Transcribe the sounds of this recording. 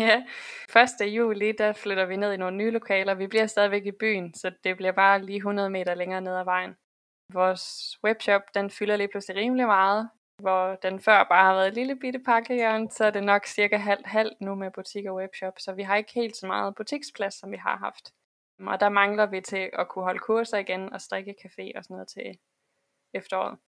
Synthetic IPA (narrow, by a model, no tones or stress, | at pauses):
jæfɶɐsd̥əjṵːlid̥æfløɾ̥ɐʋine̝ð̞̰ˠino̝ːnnyːlo̝kʰɛːlɐɒʋib̥liɐ̰sd̥ɛð̞ˠiʋeɡ̥ib̥y̰ːnsɒ̽d̥e̝b̥liɐ̰b̥ɑ̈ːliːɦunɐð̞ˠme̝̰ːɾɐleŋɐːne̝ð̞̰ˠæʋɑ̈ɪ̰n̩ | ʋɒːsweb̥ɕɒ̽b̥d̥enfylɐliːpʰlusliʁiːməlimɑ̈ːð̞̩ˠ | ʋɒd̥enfɶɐ̰b̥ɑ̈ːhɑ̈ʋæːɐð̩ˠliləb̥id̥əpʰɑ̈ɡ̥əjœɐ̰nsɒ̽æɐd̥e̝nɒ̽ɡ̥siɐɡ̥æɦæl̰d̥ɦæl̰d̥numeb̥ut͡sʰiɡ̥ɒweb̥ɕɒb̥sɒ̽ʋiɦɑ̈e̝ɡ̥ə̥he̝̰ːld̥sɒ̽mɑ̰̈ːð̞̩ˠb̥ut͡sʰiɡ̥spʰlæsːɒ̽mʋiɦɑ̈ɦɑ̈fd̥ | ɒ̽d̥æmɑ̈ŋlɐʋit͡sʰe̝ʔɒ̽kʰuɦɒ̽ləkʰuɐsɐiɡ̥enɒ̽sd̥ʁeɡ̥əkʰæfe̝̰ːɒ̽sɒ̽nɔ̽ːð̞̩ˠt͡sʰe̝ | efd̥ɐɒ̰ːð̩ˠ